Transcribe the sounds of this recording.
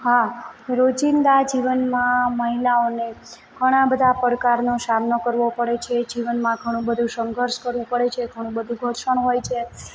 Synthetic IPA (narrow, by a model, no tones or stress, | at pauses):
ɦaɾod͡ʒind̪ad͡ʒiʋənmãməɦilaone | ɡʱəɽ̃ãbəd̪ʱapəɾkaɾnosamnokəɾʋopəɽet͡ʃʰed͡ʒiʋənmãɡʱəɽ̃ũbəd̪ʱũsəŋɡʱəɾʃkəɾʋũpəɽet͡ʃʰeɡʱəɽ̃ũbəd̪ʱũɡʱoɾʃəɳ̃ɦojt͡ʃʰe